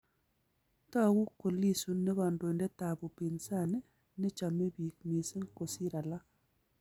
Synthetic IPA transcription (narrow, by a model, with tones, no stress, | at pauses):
ta˦˨ɡu˦ko˨li˦su˨nːe˦βa˨ndo˨ndɛ˦ta˨bo˨pi˨nsa˦˨nɪ˦ | nɪ˦t͡ʃa˨me˦bi˨k̚mi˨si˦ŋko˨si˦ɾa˨la˦